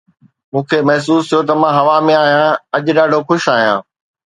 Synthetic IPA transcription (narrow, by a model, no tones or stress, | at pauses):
mũːkʰeːmɐɦs̬uːst̪ʰijot̪ɐmãːɦɐʋamẽaːɦijãɐʄɗaːɖʱoxʊʃaːɦijãː